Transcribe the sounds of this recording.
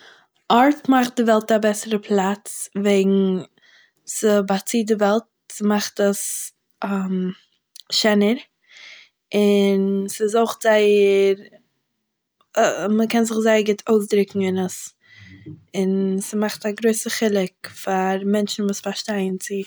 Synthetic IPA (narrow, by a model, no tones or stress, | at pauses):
ʔɔɾtmaχt̚dɪvɛlˠtabɛsəɾəpʰlˠat͡sveɪɡŋ̩ | səbat͡siːdɪvɛlˠt̚smaχtəs | əm | ʃɛnəɾ | ɪnsɪzoχz̥aɪəɾ | məkɛnzɪχzaɪəɾɡɪtʰoʊsdɾɪkŋ̩ɪnəs | ɪnsimaχtaɡɾoɪsəχɪlˠɪkfaɾmɛnt͡ʃn̩vuːsfaʃtaɪənt͡sɪ